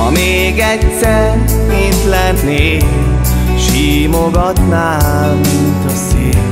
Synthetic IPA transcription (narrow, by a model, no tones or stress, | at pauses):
ɒ̰meːɡɛtsɛr | it̪lɛnːeː | ʃiːmoɡɒt̪naːlmint̪ɒseː